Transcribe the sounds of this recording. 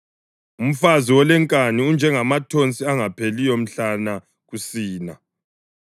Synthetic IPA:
um̩faziwɔlɛŋkʼaniund͡ʒʱɛŋamatʰont͡sʼiaŋapʰelijom̩ɬana | ɣusiːna

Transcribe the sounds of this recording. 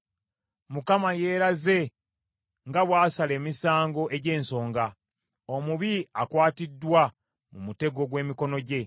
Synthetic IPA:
mukamaje̞ːɾaze̞ | ŋɡaβwaːsale̞ːmisaːŋɡo̞ʔe̞ɟe̞ːnso̞ːŋɡa | omuβiakwaːtidːwa | mumute̞ɡo̞ɡwe̞ːmiko̞no̞ɟe̞

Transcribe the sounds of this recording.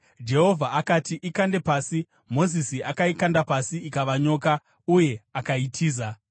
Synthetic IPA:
d͡ʒe̞ɦo̞vʱaakatiʔikande̞paːsi | mo̞zisiʔakaikandapasiikaʋaɲo̞ːka | uje̞akaitʰiːza

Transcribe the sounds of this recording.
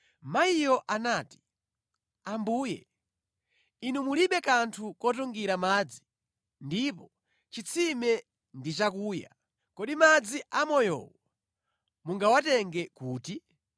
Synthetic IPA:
maijɔʔanaːti̥ | ambuːjɛ̰ | inumuliɓɛkantʰukɔt̬uŋɡiɾamaːd͡zi̥ | ndipɔ | t͡ʃit͡sʰimɛ | ndit͡ʃakuːja̰ | kɔɗimad͡ziʔamɔjɔ̰wɔ | muŋɡawatɛŋɡɛkuːti

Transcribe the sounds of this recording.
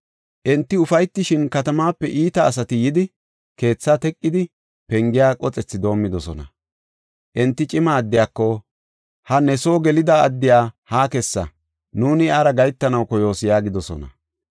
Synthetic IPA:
ʔɛnt̪ːɪʊfɐjt̪ːɪʃɪnkɐt̪ɐmaːpːɛʔiːt̪ɐːs̬ɐt̪ɪjɪd̪ɪ | ke̞ːt͡sːaːt̪ɛkʼːɪd̪ɪ | pɛŋɡɪjaːkʼɔt͡sʼɛt͡sːɪd̪o̞ːmːɪd̪ɔsɔ̰nɐ̰ | ʔɛnt̪ːɪt͡ʃʼɪmaːd̪ːɪjaːkːɔ | hɐnɛso̞ːɡɛlɪd̪ɐːd̪ːɪjaːhaːkɛsːɐ̰ | nuːnɪaːɾɐɡɐjt̪ːɐnɐwkɔjo̞ːsjaːɡɪd̪ɔsɔ̰nɐ̰

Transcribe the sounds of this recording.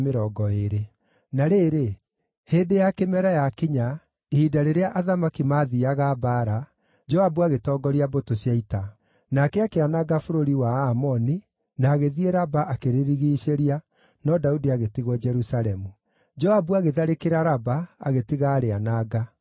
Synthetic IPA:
meɾɔːɡɔeɾe | naɾeːɾe | heːdejakemɛɾajakiɲa | eidaɾeɾeaʔaðamakimaðiaɣabaɾa | d͡ʒɔabuaɣetɔɡɔɾiabotoɕjaita | nakɛakeanaɡafoɾoɾiwaamɔni | naːɣeðieɾabaʔakeɾeɾiɣiɕeɾia | nɔdaudiaɣetiɣwɔd͡ʒɛɾusaɾɛmu | d͡ʒɔabuaɣeðaɾekeɾaɾabaa̰ɣetiɣaɾeanaɡa

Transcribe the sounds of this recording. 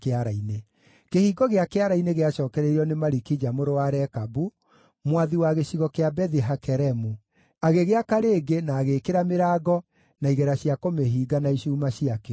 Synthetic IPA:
keaɾaine | kehiːɡɔɣeakeaɾaineɣeaʃɔːkɛɾeɾiɔnemaɾikid͡ʑamoɾowaɾɛkabu | mwaðiwaɣeɕiɣɔkeabɛðiɦakɛɾɛmu | aɣeɣeakaɾeːɡenaːɣeːkeɾameɾaːɡɔ | naiɣɛɾaɕiakomeɦiːɡanaiʃuːmaɕiake

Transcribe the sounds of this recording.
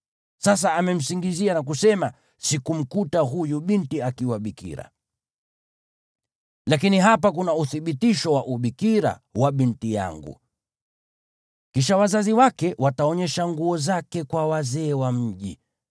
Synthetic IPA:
sas̬aːmɛm̩siŋɡizianak̬usɛma | sikum̩kutaɦujuɓintiakiwaɓikḭɾa̰ | lakiniɦapakunauθiɓitiʃɔwaʔuɓikiɾa̰waɓintija̰ŋɡṵ | kiʃawazaziwakɛwataɔɲɛʃaŋɡuɔzakɛkwawazɛːwam̩ʄḭ

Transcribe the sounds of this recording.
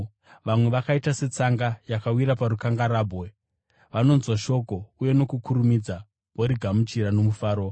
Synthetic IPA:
ʋamwe̞ʋakaitase̞t͡saŋɡajakawiɾapaɾukaŋɡaɾaːbʱɣe | ʋano̞nzwaʃo̞ko̞uje̞no̞kukuɾumid͡za | woɾiɡʱamut͡ʃiɾano̞mufaːɾo̞

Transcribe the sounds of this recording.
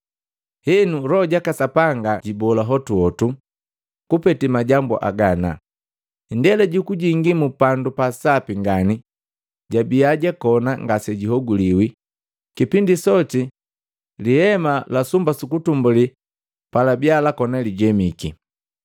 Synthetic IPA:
hɛnuɾɔɟakasapaŋɡaɟibɔlaɦɔtuɔtu | kupɛtimaɟambṵʔa̰ɡana̰ | ndɛlɛɟukuɟiŋɡimupandupasapiŋɡani | ɟabiaɟakɔnaŋɡasɛɟiɦɔɡuliwi | kipindisɔti | lihɛmalasumbasukutumbuli | palabialakɔnaliɟɛmiki

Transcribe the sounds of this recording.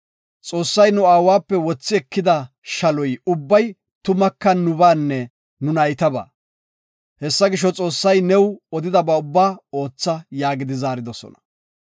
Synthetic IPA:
t͡sʼo̞ːsːɐjnʊaːwaːpːɛwɔt͡sːɪɛkːɪd̪ɐ | ʃɐlɔjʊbːɐj | t̪ʊmɐkːɐnːʊbaːnːɛ | nʊnɐjt̪ɐba̰ː | hɛsːɐɡɪʃɔt͡sʼo̞ːsːɐjnɛwɔd̪ɪd̪ɐbɐʊbːaːoːt͡sːɐjaːɡɪd̪ɪzaːɾɪd̪ɔsɔ̰nɐ̥

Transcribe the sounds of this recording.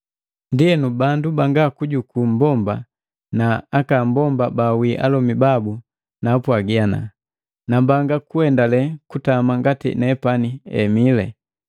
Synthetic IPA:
ndiɛnubandubaŋɡakuɟukumbɔmba | naakam̩bɔmbabawiʔa̰lɔmibabu | naːpwaɡiana̰ | nambaŋɡakuɛndalɛkutamaŋɡatḭnɛpaniɛ̰milɛ̰

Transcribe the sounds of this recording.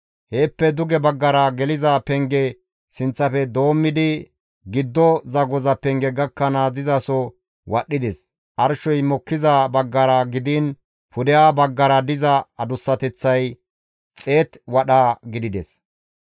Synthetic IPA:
he̞ːpːɛd̪ʊɡɛbɐɡːɐɾɐɡɛlɪzapɛŋɡɛ | sɪnt͡sːɐfɛd̪o̞ːmːɪd̪ɪ | ɡɪd̪ːɔzɐɡɔzɐpɛŋɡɛɡɐkːɐnaːzɪzɐsɔ | wɐɗːɪd̪ɛs | ʔɐɾʃɔjmɔkːɪzabɐɡːɐɾɐɡɪd̪ɪn | pʊd̪ɪjaːbɐɡːɐɾɐd̪ɪzɐɐd̪ʊsːɐt̪ɛt͡sːɐj | t͡sʼe̞ːt̪wɐɗaːɡɪd̪ɪd̪ɛs

